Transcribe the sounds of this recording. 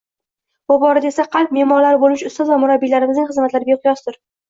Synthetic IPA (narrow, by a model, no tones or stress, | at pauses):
bʊbɒɾad̪aesaqʰɑlˠp̚me̞mɒɾlaɾɪbolmɪʃʊst̪ɒzvamʊɾabːilaɾɪmɪznɪŋχɨzmat̪laɾɪbeqʰʊjɒsd̪ɪɾ